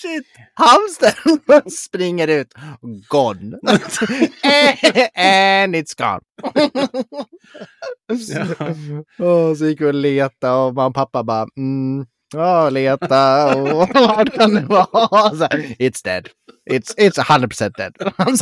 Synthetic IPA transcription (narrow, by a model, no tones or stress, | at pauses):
ʃɪt̪ | hamsd̪ɛmspɾɪŋːəɾʉ̟ːt̪ɡɔn | ɛnɪt̪sɡ̥ɑ̰n | ɔs̬ɔjɪkɔleːt̪aɔmanpʰapːabɑːm̩ | aːleːt̪aɔvaʈkʰand̪ɛvɑːsɔɪt̪sd̪ɛ̰d̪ | ɪt̪sɪt̪shand̪ɾəd̚pʰʊsɛnt̪̚d̪ɛ̰d̪̥ams